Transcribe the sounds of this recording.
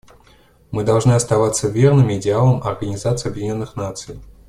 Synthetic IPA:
mɨd̪alˠʐnɨɐst̪avat̪sːɐvʲɛrnɨmʲiːd̪ʲɛalˠɐmɐrɣɐnʲizat̪sɨjɐbvʲinʲɔnːɨxnat̪sɨj

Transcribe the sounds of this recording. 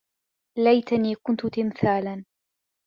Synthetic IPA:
lajt̪aniːkʊnt̪ʊt̪ɪmθaːlan

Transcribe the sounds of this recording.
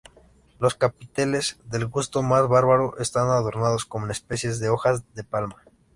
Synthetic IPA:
lo̞skapit̪ele̞z̥ðe̞lɣust̪o̞mazβaɾβaɾo̞ʔest̪anað̞o̞ɾnað̞o̞sko̞monespe̞sje̞zðeo̞xazðe̞palma

